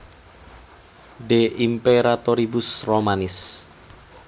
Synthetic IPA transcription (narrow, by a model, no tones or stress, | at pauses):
ɖeʔimpeɾat̪oɾibʊsromanɪs